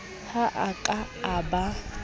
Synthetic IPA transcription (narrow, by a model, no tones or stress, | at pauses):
haʔakʼa | aba